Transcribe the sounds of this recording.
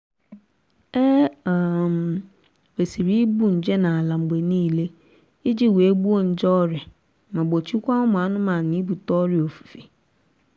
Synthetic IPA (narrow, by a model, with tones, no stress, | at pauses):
ɛ˦a˨m | we˨si˨ɾi˦bu˦ɲ̩˨d͡ʑɛ˦nã˨a˨lã˨m̩˨be˨nĩ˦˨le˦ | ɪ˦d͡ʑɪ˦˨we˦bu˦o˦n̩˨d͡ʒɔ˦ɾɪ˨ | mã˨bɔ˨t͡ɕʰi˦kʷa˦ʊ˦mʊ̃˨a˨˦nʊ̃˦mã˨nĩ˨˦bu˨tɔ˦ɾɪ˨o˨fu̥˨fi˨